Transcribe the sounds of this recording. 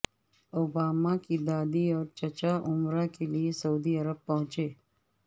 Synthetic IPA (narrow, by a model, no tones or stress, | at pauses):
oːbaːmakid̪aːd̪iɔːɾt͡ʃət͡ʃaʔʊmɾakeliesəuːd̪iəɾəb̚pːəɦʊ̃t͡ʃeː